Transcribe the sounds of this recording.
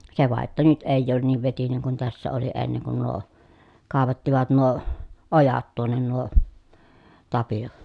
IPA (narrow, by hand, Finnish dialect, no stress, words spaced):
se ʋɑˑeʔ ʔetːæ nyt eˑij oːn niːʋ ʋetineŋ kun tæsːæ oli enːeŋ kun nuo kɑˑeʋɑtːiʋɑt nuo ojɑt tuonːen nuo tɑpio